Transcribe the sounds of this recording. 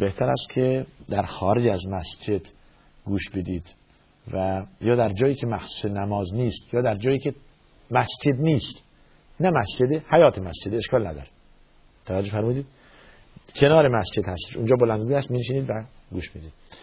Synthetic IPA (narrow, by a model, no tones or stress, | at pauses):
be̞ht̪ʰæɾæ̰st̪̚kʲʰed̪æɾxɒːɾed͡ʒæzmæsd͡ʒe̞d̪̥ | ɡuːʃbed̪iːd̪̥ | væjɒːd̪æɾd͡ʒɒːjiːcʰe̞mæxsu̥ːsenæmɒːzniːst̪jɒːd̪æɾd͡ʒɒːjiːkʰe | mæsd͡ʒe̞d̪niːst̪ | næmæsd͡ʒed̪ehæjɒːt̪ʰemæsd͡ʒed̪eʃkɒːlnæd̪ɒ̰ːɾe | t̪ʰævæd͡ʒːofæɾmuːd̪iːd̪ | kʰe̞nɒːɾemæsd͡ʒe̞d̪hæst̪e̥ʃund͡ʒɒːbolænd̪ɡuːjæst̪miːneʃiːniːd̪væɡuːʃmid̪iːd̪̥